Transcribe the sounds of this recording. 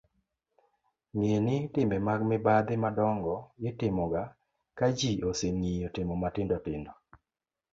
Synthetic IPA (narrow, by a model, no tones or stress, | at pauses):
ŋienɪtɪmɛmaɡmɪbad̪ɪmadɔŋɡɔjɪtɪmɔɡa | kad͡ʒioseŋijotɪmɔmatɪndɔtɪndɔ